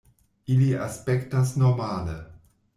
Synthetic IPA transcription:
ʔiliʔa̰spɛktasnɔmaːlə̰

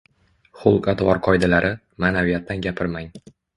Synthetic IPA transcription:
χʊlˠqat̪vɒɾqʰɒjd̪alaɾʔɪ | maːnavijat̪ːanɡʲapʰɪɾmaŋ

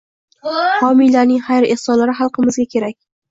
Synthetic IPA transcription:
hɒmijlaɾnɪŋhajɾehsɒnlaɾɪχɑlˠqɨmɪzɡʲakʲʰe̞ɾak̚ʲ

